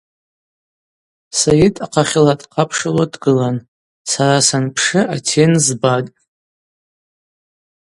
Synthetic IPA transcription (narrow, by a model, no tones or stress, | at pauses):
sajɪtʼaqʰaχʲɪlatʼqʰapʰʂaladɡɨlan | saɾasanpʰʂɨʔatʰe̞nzbatʼ